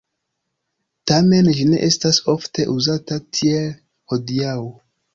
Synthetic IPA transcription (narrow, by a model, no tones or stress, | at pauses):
tame̞nd͡ʒine̞̰ʔe̞staso̞fte̞ʔuzatatʰiel | ho̞diawo